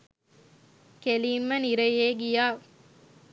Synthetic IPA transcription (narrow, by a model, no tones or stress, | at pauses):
keliːmːəniɾɐjeːɡijaː